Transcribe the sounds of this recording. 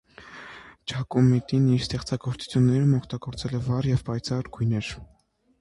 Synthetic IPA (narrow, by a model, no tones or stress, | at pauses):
t͡ʃʰɑkumit̪iniɾst̪ɛχt͡sɑɡɔɾt͡su̥t͡sʰjunːɛɾumɔkʰt̪ɑɡɔɾt͡sɛlɛvɑɾjɛvpɑjt͡sʰɑɾɡ̥ujnɛɾ